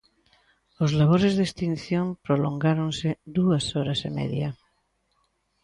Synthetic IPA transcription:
ozlaβ̞oɾezðest̪in̟θjõmpɾoloŋɡaɾõnsed̪uasoɾasemḛðja

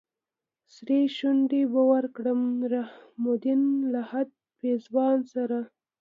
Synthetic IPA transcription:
sɾeʃunɖ̪ebawaɾkɽəmɾahmʊd̪ɪnlahad̪̚ | pezwɑnsaɾa

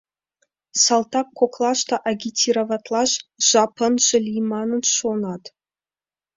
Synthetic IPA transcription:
sɑlˠt̪ɑkːoklˠɑʃt̪ɑʔɑɡʲitʲʰːiɾovɑt̪lˠɑʃʒ̥ɑpɤ̆nʒɘ̆lʲijmɑnɤ̆nʃonɑt̪

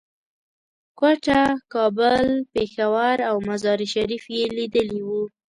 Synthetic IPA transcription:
kwaʈakɑbəlpexawaɾawmazɑɾiʃaɾifjelid̪əliwu

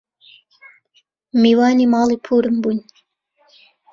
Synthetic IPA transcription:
miːwɑːniːmɑːlˠiːpʰuːɾɨmbunʲ

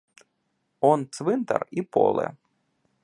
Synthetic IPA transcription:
ɔnt̪sʋɨnt̪ɐ̰ripɔ̰lˠɛ̰

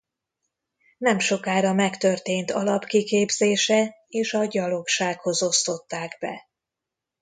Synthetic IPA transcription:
nɛmʃo̞kaːɾɒmɛkt̪ørt̪eːnt̪ɒlɒpkikeːbzeːʃɛ | eːʃɒɟɒlo̞kʃaːkho̞zo̞st̪o̞t̪ːaːɡbɛ̰

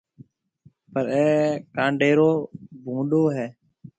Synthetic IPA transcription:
pəɾɛːkãːɳɖeːɾoːbʱũːɗoːɦɛː

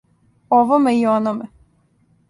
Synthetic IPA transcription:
oʋomeionome

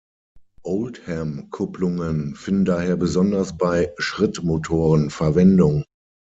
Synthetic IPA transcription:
ʔoʊlthɛmkʰʊplʊŋənfɪndn̩daːheːɐbəzɔndɐsb̥aɪʃʁ̥ɪtmotʰoːʁənfɛɐvɛndʊŋ

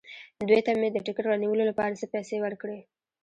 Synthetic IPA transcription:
d̪wet̪amed̪əʈɪkɪʈɾɑniwəlolapɑɾasəpɛjsewəɾkɽe

